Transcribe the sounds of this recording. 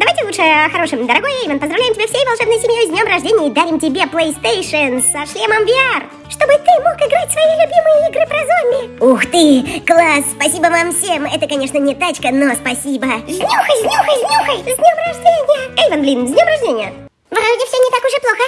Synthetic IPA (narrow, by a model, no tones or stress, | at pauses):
d̪ɐvajtʲɪlutʂɨəxɐɾo̞ʂɨmd̪əɾɐɡo̞jejvənpəzd̪ɾɐvlʲæjɪmʲɪbefsʲejvɐlˠʂɛbnəjsʲɪmʲjojzdʲnʲo̞mrɐʐdʲenʲɪjəid̪aɾʲɪmtʲɪbʲeplˠejst̪ejʂənsɐʂlʲeməmvʲɪar | ʂt̪o̞bɨt̪ɨmokɪɡɾatʲsvɐjilʲʊbʲimɨjəiɡɾɨpɾɐzomʲɪuxt̪ɨklˠasːpɐsʲibəvamfsʲemɛt̪əkɐnʲeʂnənʲɪt̪at͡ɕkənospɐsʲibəzʲnʲuxəjzʲnʲuxəjzʲnʲuxəjzʲnʲomrɐʐdʲenʲɪjəejvənblʲindʲnʲo̞mrɐʐdʲenʲɪjə | vɨɾɐʐdʲɪfsʲonʲɪt̪akʊʐɛplˠoxə